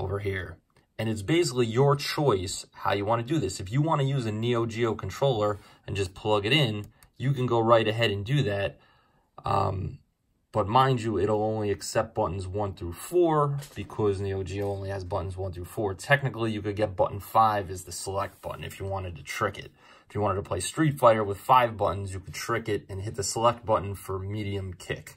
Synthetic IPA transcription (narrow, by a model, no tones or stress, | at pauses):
oʊvə˞ɦiɹ | ɨ̃nɨts̬b̥eɪs̬ɪklijə˞t͡ʃʰɔɪsha̰ʊjɨwɑ̃ñɨdɨðɪsɨfjɨwɑ̃ñɨjʉzɨnioʊd͡ʒioʊkʰn̩tʰɹ̥oʊlˠə˞ | ɨ̃nd͡ʒʌspʰl̥ʌɡɨɾɪ̃n | jɨkɨ̃nɡoʊɹaɪɾɨɦɛɾɨ̃ndɨðæt̚ | ʌ̰m | b̥ʌt̚mãɪ̃nd͡ʒəɪɾl̩ˠõʊ̃nliɨksɛp̚b̥ʌʔn̩zwʌ̃nθɹʉfɔɹb̥ɨkʰʌznioʊd͡ʒiõʊ̃nliɨzbʌʔn̩zwʌ̃nθɹʉfɔɹtʰɛk̚nɨkl̩ˠijɨkɨd̚ɡɛt̚b̥ʌ̰ʔn̩faɪvɨzðɨsəlɛk̚t̚b̥ʌ̰ʔn̩ɨ̰fjɨwɑ̃ɾ̃ɨd̚tʰɨtʰɹ̥ɪkɨ̰t̚ | ɪfjɨwɑ̃ɾ̃ɨd̚tʰəpʰl̥eɪstɹ̥itfaɪɾə˞wəð̥faɪvbʌʔn̩zjɨkʰəd̚tʰɹ̥ɪkɪɾɨ̃nɦɪt̪̚ðɨsəlɛk̚t̚b̥ʌʔn̩fə˞miɾiɨ̃mkʰɪ̰k